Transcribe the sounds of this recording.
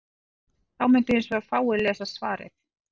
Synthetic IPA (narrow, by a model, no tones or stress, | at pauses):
θawmɪnt̪ʏhɪnsvɛafaːwɪlɛːsasvaːɾɪ̰θ